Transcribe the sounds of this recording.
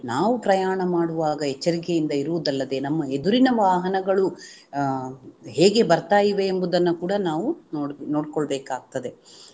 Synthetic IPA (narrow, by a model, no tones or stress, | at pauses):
naːʋupɾɐjaːɳɐmaːɽuʋaːɡɐɛt͡ʃːɐɾik̬ejind̪ɐiɾuʋud̪ɐlːɐd̪e̞ːnɐmːɐed̪uɾinɐʋaːɦɐnɐɡɐɭu | ɦeːɡe̞bɐɾt̪aːjiʋe̞ːmbud̪ɐnːukuːɽɐnaːʋunono̞ːɽkoɭbɛːkaːɡ̚t̪ɐd̪e̞